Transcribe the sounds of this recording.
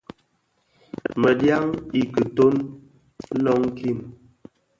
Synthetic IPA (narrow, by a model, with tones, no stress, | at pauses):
mə˨dja˦ŋi˨kɨ˨to˦n˦ | nɔ˦ŋ˦ki˦˨m